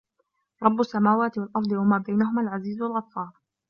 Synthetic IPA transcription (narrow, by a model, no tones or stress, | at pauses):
ɾˤɑbːʊsːamaːwaːt̪ɪwalʔɑɾˤd̪ˤɨwamaːbajnaɦʊmaːlʕaziːzwalɣɑt̪ˤfːɑːɾˤ